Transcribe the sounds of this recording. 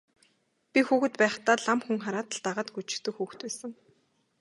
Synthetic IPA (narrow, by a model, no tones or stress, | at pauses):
pʲixuːxɘ̆t̪pæːχt̪aːɮamxuŋχaɾaːt̪ə̆ɮt̪aʁəːt̪ɡut͡ɕɪ̥̆xt̪ɘ̆kxuːxt̪pæːsə̆ŋ